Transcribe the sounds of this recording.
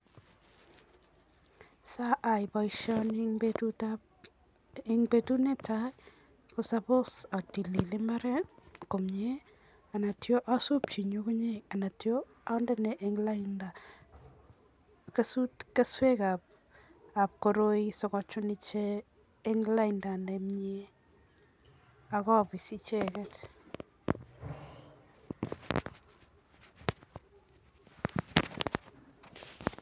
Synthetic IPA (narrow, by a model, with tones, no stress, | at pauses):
sa˦ʔa˨jbɔjʃɔntta | ɪŋbetu˦ne˦ta | kʊsabʊ˦sa˨ti˨li˨lɪ˦mba˦ɾɛ˦ko˨mɲe˦ | a˨na˨tjo˦ʔa˦su˦p̚t͡ʃi˨ɲu˦kʊ˦ɲe˦a˨na˨tjo˦ | a˦nda˦ne˨ʔeŋlnda | ke˦su˦tke˦swe˦ka˨p̚ | a˨p̚koɾo˦i˦sɔ˨kɔ˦t͡ʃu˦ni˦t͡ʃeː˦ | ŋla˦inda˨nemɲe˦ | a˨kɔ˦pi˨si˦t͡ʃekɛt